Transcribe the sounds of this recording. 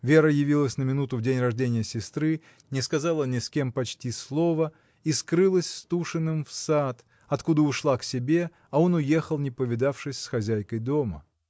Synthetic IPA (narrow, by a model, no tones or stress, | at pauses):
vʲeɾəjɪvʲilˠəsʲnəmʲɪnut̪ʊvdʲenʲrɐʐdʲenʲɪjəsʲɪst̪ɾɨ | nʲɪskɐzalˠənʲɪskʲe̞mpɐt͡ɕtʲislˠo̞və | iskɾɨlˠəsʲst̪uʂɨnːɨmfsat̪ | ɐt̪kud̪əʊʂlˠaksʲɪbʲe̞ | ɐo̞nʊje̞xəlˠnʲɪpəvʲɪd̪afʂɨsʲsxɐzʲæjkəjd̪o̞mə̰